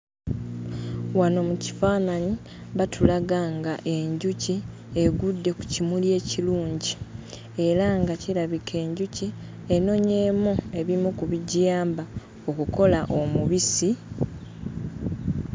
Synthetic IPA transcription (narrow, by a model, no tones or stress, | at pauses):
wano̞muci̥faːnani | βatulaɡaːŋɡaʔe̞ɲɟuci | e̞ɡudːe̞ku̥cimulje̞ːciluːɲɟi | e̞ɾaŋɡaciɾaβikʰe̞ːɲɟuci | e̞no̞ɲe̞ːmue̞βimukuβiɟjaːmba | o̞kuko̞laʔo̞muβisi